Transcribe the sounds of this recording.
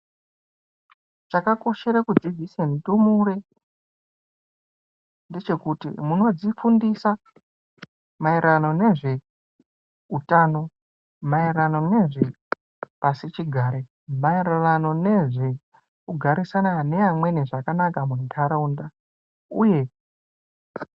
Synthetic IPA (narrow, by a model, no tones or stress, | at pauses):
ʐakako̞ʃe̞ɾakud͡zivʱisentumuɾe | ndet͡ʃe̞kutḭmuno̞d͡zifundisa | mairano̞ne̞ʐe̞ | utaːno̞ | mairano̞ne̞ʐe | pasit͡ʃiɡʱaːɾe | mairarano̞ne̞ʐe | kuɡʱaɾisanane̞amwe̞niʐakanakamuntʰaɾaunda | uje̞